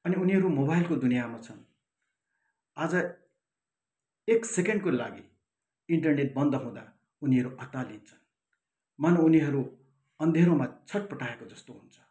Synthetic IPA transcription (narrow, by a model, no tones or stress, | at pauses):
ʌniuniɦʌɾumobajlkod̪unijamat͡sʰʌn | ad͡zʌ | eksekeɳɖkolaɡi | iɳʈʌrneʈ̚bʌnd̪ʌɦũd̪a | uniɦʌɾuʔʌt̪ːalint͡sʰʌ̥n | manouniɦʌɾu | ʌnd̪ʱeɾomat͡sʰʌʈ̚pʌʈʰaekod͡zʌst̪oɦunt͡sʰʌ̥